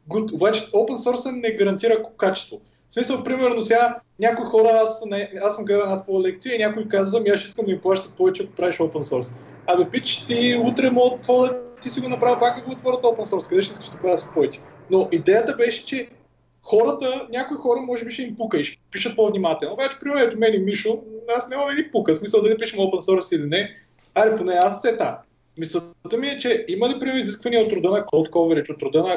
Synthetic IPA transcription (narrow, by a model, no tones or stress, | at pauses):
ɡoobat͡ʃɛopɛnsɔɾsɐnɛɡɐɾɐnt̪iɾəkat͡ʃɛ̥st̪vo | smisəlˠpɾimɛɾnosɛɡanʲakoixɔɾəasnɐɛasːəmɡɾɛɛnat̪vɔjəlɛk̚t̪siəinʲakoikazvɐmiaʃiskəmd̪ɐimplˠaʃt̪ət̪̚pɔvɛt͡ʃɛɐko̥pɾaviʃopɛnsɔɾs | ɐd̪ɐpit̪ə̥ʃt̪iut̪ɾɛmot̪ːvod̪ət̪isiɡonɐpɾavəpak̚d̪ɐɡoot̪vɔɾət̪opɛnsɔɾskɐd̪ɛʃɛiskəʃd̪ɐplaʃt̪ə̥t̪̚pɔvɛt͡ʃɛ̥ | noʔid̪ɛjət̪əbɛʃɛ̥t͡ʃɛ | xɔɾət̪ənʲakʊixɔɾəmɔʒɛbiʃɛimpukəiʃɛ̥piʃət̪̚povnimat̪ɛlˠnobat͡ʃɛ̥pɾimɛnɛt̪ʊmɛnimiʃʊnasnʲamɐmɛd̪ipukəsmisəlˠd̪ɐlipiʃɛmopɛnsɔɾsilinɛ | aɾiponɛast̪sɛt̪a | misˠət̪əmiɛt͡ʃɛimɐlipɾimiziskvɐniɛot̪ːɾʊd̪ənɐkolˠt̪kɔvɛɾit͡ʃot̪ːɾʊd̪ənɐ